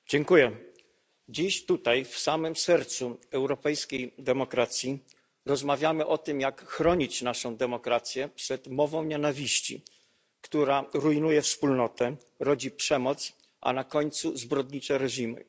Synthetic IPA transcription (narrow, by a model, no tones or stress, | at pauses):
d͡ʑɛŋkujɛ | d͡ʑiɕt̪ut̪ajfsamɘmsɛɾt̪suɛwɾɔpɛjskʲejd̪ɛmɔkɾat̪sʲji | ɾɔzmavʲjamɘʔɔt̪ɘmjakxɾɔɲit͡ɕnaʂɔ̃w̃d̪ɛmɔkɾat̪sʲjɛpʂɛt̪mɔvɔ̃w̃ɲɛnavʲiɕt͡ɕḭ | kt̪uɾaɾuinujɛfspulnɔt̪ɛ | ɾɔd͡ʑipʂɛmɔt̪s | ʔa̰nakɔɲt̪suzbɾɔd̪ɲit͡ʂɛɾɛʑimɘ̰